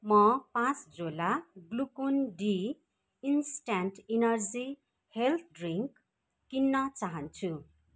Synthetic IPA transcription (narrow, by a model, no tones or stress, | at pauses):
mʌpãt͡sd͡zolaɡlukonɖi | insʈanʈinʌrd͡zi | helt̪̚ʰɖriŋkː | inːʌt͡saɦʌnt͡sʰu